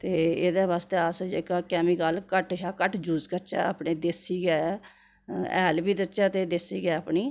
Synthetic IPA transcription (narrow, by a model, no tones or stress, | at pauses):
t̪eːed̪eːβaːst̪eːasd͡ʒeːkaːkɛːmiːkaːlkəʈʃaːkəʈd͡ʒuːzkət͡ʃɛ̰ːa̰ːpɳeːd̪esiːɡɛː | ɛ̰ːlbiːd̪ət͡ʃaːt̪eːd̪esiːɡɛːəpɳiː